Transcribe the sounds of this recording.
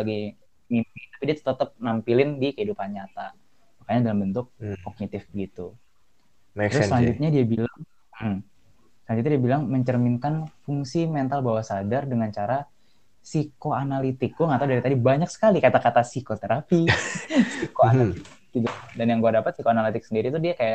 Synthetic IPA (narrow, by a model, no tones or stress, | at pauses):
aɡaj | mimpit̪apidiat̪ə̥t̪ət̪əp̚nampilɪndikəidupanɲat̪a | makaɲadalambənt̪ʊk̚kɔk̚nit̪ɪfɡit̪u | təɾʊsəlaɲd͡ʒut̪̚ɲadiabilaŋ | m̩ | slaɲd͡ʒut̪̚ɲadiabilaŋməɲt͡ʃərminkanfuŋsimɛnt̪albawasadardəŋant͡ʃaɾa | sikoanalit̪ɪk̚ɡɔŋat̪awdaɾit̪adibaɲaksə̥kalikat̪akat̪asikot̪eɾapisikoanaiɪɡit̪udanjaŋɡuadapət̪̚sikoanalit̪ɪk̚səndiɾiːt̪udiakajaʔ